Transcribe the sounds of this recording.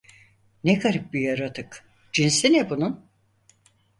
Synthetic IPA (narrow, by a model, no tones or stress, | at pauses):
nɛkʰaɾɯp̚bijaɾat̪ʰɯk | d͡ʒinsinɛbunun